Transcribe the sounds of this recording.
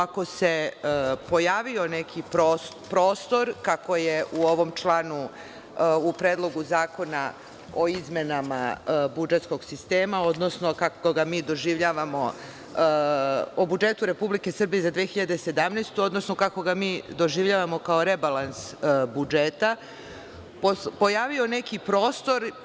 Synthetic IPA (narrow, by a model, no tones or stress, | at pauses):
ako̞se̞po̞jaːʋio̞ne̞kʰipɾo | pɾoːst̪o̞ɾkako̞je̞ʔuo̞ʋo̞mt͡ʃlˠaːnu | upɾeːd̪lˠo̞ɡuzaːko̞na | o̞izme̞nama̰bud͡ʒe̞t̪sko̞ɡsist̪e̞ːmao̞d̪no̞sno̞kakoɡamiːd̪o̞ʒiːʋʎaːʋamo̞ | obud͡ʒe̞t̪uɾe̞publike̞sər̩bijezad̪ʋexiʎad̪e̞se̞d̪amnest̪uo̞d̪no̞snokako̞ɡamiːd̪o̞ʒiʋʎaːʋamo̞kaoɾe̞balˠansbud͡ʒet̪a | popo̞jaːʋio̞ne̞kipɾo̞ːst̪o̞ɾ